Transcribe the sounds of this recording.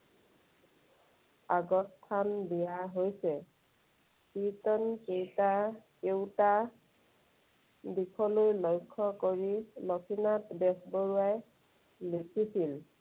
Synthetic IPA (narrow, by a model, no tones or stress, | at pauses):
aɡɔstʰːanbijaɦojsɛ | pitɔnkejtakeʊta | dikʰɔlojlojkʰːɔkoɹilɔkʰinatbɛsboɹuaj | likʰisil